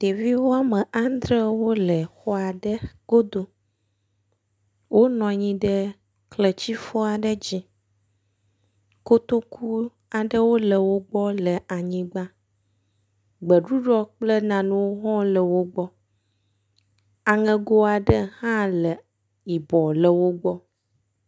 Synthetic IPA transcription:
t̪e˨vi˦wo˦a˦mə̃˨ʔa˦n˦d̪ɾə˦wo˦lə˨xɔ˦a˨ɖə˦ɡ̥o˦d̪o˨ | wʔo˦nɔ̃˨ɲĩ˦ɖə˦ | klə˨t͡ɕi˦fɔ˦a˨ɖə˦d͡ʑi˦ | ko˦t̪o˦kʰu˦ | a˨ɖə˦wo˦lə˨wo˦ɡ͡bɔ˦lə˨a˨ɲĩ˦ɡ͡bã˦ | ɡ͡bə˨ɖu˦ɖɔ˦k͡plə˦nã˨nũ˦wo˦ɦɔ̃˦lə˨wo˦ɡ͡bɔ˦ | a˨ŋɛ̃˨ɡo˦a˨ɖə˦hã˦lə˨ | i˨bɔ˨lə˨wo˦ɡ͡bɔ˦

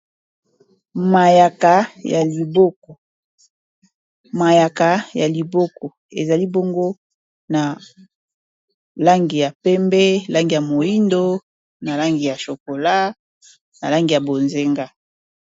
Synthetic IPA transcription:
ma˨ja˨ka˨ja˨li˨bo˦kɔ˨ | ma˨ja˨ka˨ja˨li˨bo˦kɔ˨ | e˨za˨li˦bo˦ŋɡo˦ | na˨ | la˦ŋɡi˨ja˨pɛ˦mbɛ˦˨la˦ŋɡi˨ja˨mo˨i˦ndo˦ | na˨la˦ŋɡi˨ja˨ʃo˨ko˨la˦ | na̰˨la˦ŋɡi˨ja˨bo˨nze˦ŋɡa˦

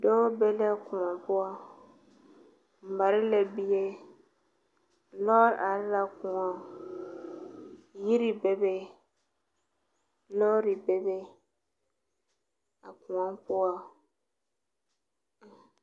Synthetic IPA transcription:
dɔ˦be˦lɛ˦˨kʊ̃˨ã˨pʊ˦a˦ | m̩˨ba˨ɾɪ˦lɛ˨bi˦je˦ | lɔ˦ɾa˨ɾɪ˦la˨kʊ̃˨ã˨ | ji˦ɾi˨be˦be˦ | lɔ˦ɾi˨be˦be˦ | a˨kʊ̃˨ã˦pʊ˦a˨

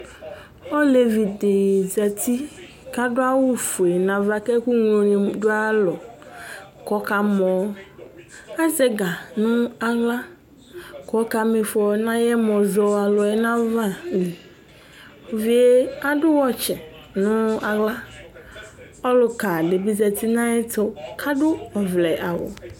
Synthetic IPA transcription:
ɔ˦le˨vi˨de˨zɛ˨ti˦ | ka˦dʊ˦a˦wʊ˦fu˨e˨nã˨va˦kɛ˦ku˦ŋ˦o˨ɲ˨dʊ˦a˦lɔ˨ | kɔ˨˦ka˨mɔ˨˦ | a˦zɛ˦ɡa˨nʊ̃˦a˦ɣla˦ | kɔ˨˦ka˨me˨fɔ˨˦nã˦jɛ˦mɔ˨zɔ˨a˨lɔ˨ɛ˨nã˦va˦ni˨ | o˨vi˨e˦a˦dʊ˦wɔ˦t͡ʃɛ˨ | nʊ̃˦a˨ɣla˦ | ɔ˦lʊ˨ka˨dɪ˨bi˦zɛ˨ti˦nã˦ɛ˦tɔ˦kʰa˦dʊ˦ɔ˨vlɛ˨ʔa˨wʊ̰˨

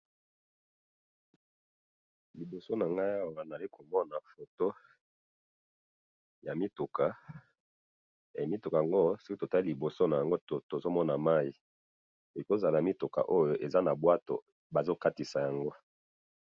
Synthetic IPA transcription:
li˨bo˨so˦na˨ŋɡa˦i˦a˦wa˨na˨li˦kʰo˨mɔ˦na˨fo˨to˦ | ja˨mi˦tu˨ka˨ | e˨mi˦tu˨ka˨a˨ŋɡo˦so˦ki˦to˨ta˦i˦li˨bo˨so˦na˨ja˨ŋɡo˦to˨to˨zo˦mɔ˦na˨ma˦i˨ | e˨ko˦za˨la˨mi˦tu˨ka̰˨ʔo˦jo˨ʔe˨za˦na˨bwa˦to̰˨ | ba˨zo˦ka˦ti˨sa˨ja˨ŋɡo˦

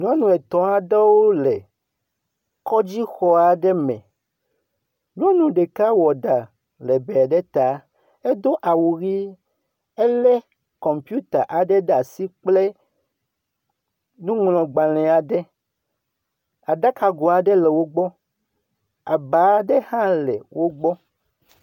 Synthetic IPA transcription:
ɲ˦ɔ̃˦nũ˨ɛ˨t̪ɔ̃˨a˨ɖe˦wo˦lɛ˨ | kɔ˦d͡ʑi˦xɔ˦a˨ɖɛ˦mɛ̰̃˨ | ɲ˦ɔ̃˦nũ˨ɖe˨ka˦wɔ˨ɖa˨ | lɛ˨bɛ˨ɖɛ˦t̪a˨ | e˦d̪o˦ʔa˨wu˨ɣi˦ | e˦lɛ˦ | kɔ̃˨mpju˦t̪a˨ʔa˨ɖɛ˦ɖa˨si˦k͡ple˦ | nũ˦ŋl̃ɔ̃˨ɡ͡ba˨l̃ɛ̃˨a˨ɖɛ˦ | a˨ɖa˦ka˨ɡo˨a˨ɖɛ˦lɛ˨wo˦ɡ͡bɔ˦ | a˨ba˨˦ɖɛ˦hã˦lɛ̰˨wʔo˦ɡ͡bɔ˦

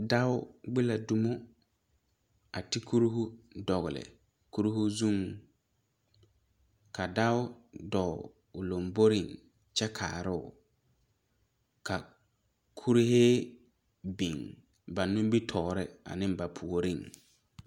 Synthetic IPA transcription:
da˦ʊ˦ɡ͡bɪ˦la˨du˦mʊ˦ | a˨ti˦kʰu˦ɾhu˦dɔ˨ɣʊ˨lɪ̰˨ | ku˦ɾu˦hu˦zu˦˨ŋ | ka˨da˦ʊ˦dɔ˨ | ʊ˨lo˨mbo˦ɾi˦˨ŋ | t͡ʃɛ˦kʰa̰ː˨ɾɪ˦˨ʊ˨ | ka˨ | kʰu˦ɾɪ˦heː˦ | bi˨ŋ | ba˨nʊ˦m˦bi˦tʰɔː˨ɾɪ˦a̰˨nɪ˦mba˨pʰu˨o˨ɾɪ˦˨ŋ

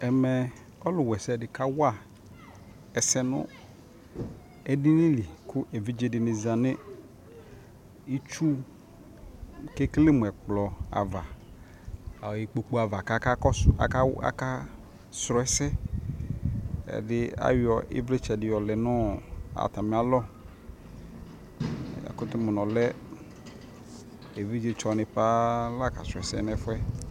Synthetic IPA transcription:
ɛ˨mɛ˨ | ɔ˦lʊ˨wɛ˨sɛ˦˨dɪ˨ka˦wʊ˦a˦˨ | ɛ˨sɛ˦nʊ̰̃˦ | ɛ˨di˦nɪ̃˦li˨kʰʊ˦ʔe˨vi˦d͡ʒe˦dɪ˨nɪ̃˨zã˨nɪ̃˦ | i˦t͡ʃu˦ | ke˦kle˦mʊ˨ɛ˨k͡plɔ˨a̰˨va˨ | ji˨k͡po˨k͡pu˦a˨va˨ka˨ka˦kɔ˦sa̰˨ka˦wa̰˦ka˦ | sɾɔ˨˦ɛ˦sɛ˦ | ɛ̰˨dɪ˦a̰˨˦wɔ˨ḭ˦vle˦t͡ʃɛ˨dɪ˨jɔ˨lɛ˨nɔ˦a̰˨t̪a˨mɪ̃˨˦a˦lɔ˦ | a̰˨kʊ˦t̪ʊ˦mʊ˨nɔ̃˨lɛ˦ | e˨vi˦d͡ʒe˦t͡ʃɔ˨nɪ˨pa˦la˦˨ka˨sɾɔ˨ɛ˨sɛ̰˦nɛ˦fʊ˦ɛ˦

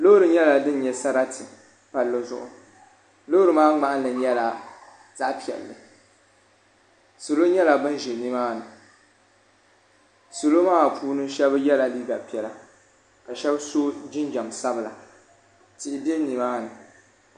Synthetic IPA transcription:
lo˦hɾɨ˨ɲɛ˦la˨dɨ˦n˦ɲɛ˨sa˦ɾa˦tʰɨ˨ | pa˨lːɨ˦zʊ̰˨ʔʊ̰˨ | lo˦ɾɨ˨maː˦ŋ͡ma˨ʔa˦nlɨ˨ɲɛ˦la˨ | ta˦ʔpi˨ɛ̰˨lːɨ̰˨ | so˨lo˦ɲɛ˦la˨bɨ˦n˦ʒɪ˨ni˦maː˦nɨ˨ | so˨lo˦maː˦˨pʰuː˦nɨ˦ʃɛ˦bɨ˦jɛ˦la˨liː˦ɡa˨pi˨ɛ˨la˨ | ka˨ʃɛ˦bso˦d͡ʒɪ˦nd͡ʒa˨msa˦bɨ˨la˨ | tɪ˨ʔɪ˨bi˦ɛ˦ni˨maː˦nɨ˨

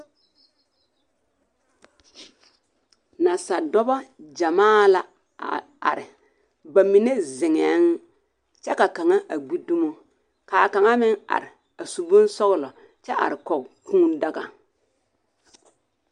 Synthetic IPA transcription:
na˨sa˨dɔ˦bɔ˦d͡ʒa˨maː˦˨la˨ | a̰˨ | a̰˨ɾɪ˨ | ba˨mi˨ne˦zɪ˨ŋɛ˨˦ŋ | t͡ʃɛ˦ka˨ka˨ŋa˦ʔa˨ɡ͡bi˦du˦mo˦ | kaː˨ka˨ŋa˦mɪ˦ŋa̰˨ɾɪ˨ | a˨su˨bʊ˦n˦sɔ˦ɣlɔ˨ | t͡ʃɛ˦a̰˨ɾɪ˨kɔ˨kũ˦nda˦ɡa˨

